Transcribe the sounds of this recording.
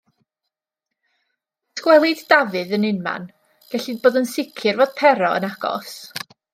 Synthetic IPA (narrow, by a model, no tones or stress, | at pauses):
skwɛlˠɪddavɨðənɪnma̰n | ɡ̥ɛɬiboːðənsɪkʰɪrvoːd̥pʰɛɾɔə̰naɡ̥ɔ̰s